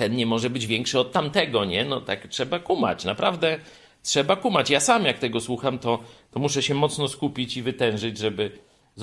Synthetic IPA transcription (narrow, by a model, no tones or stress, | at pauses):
t̪ɛnɲɛmɔʐɛbɘd͡ʑvʲjɛŋkʂɘɔt̪tːamt̪ɛɡɔɲɛnɔt̪aktʂɛbakuma̰t͡ɕnapɾavd̪ɛ | tʂɛbakumat͡ɕjasamjak̚t̪ɛɡɔswuxamt̪ɔt̪ɔmuʂɛɕɛmɔt̪snɔskupʲit͡ɕivɘt̪ɛ̃w̃ʐɘd͡ʑʐɛbɘ | z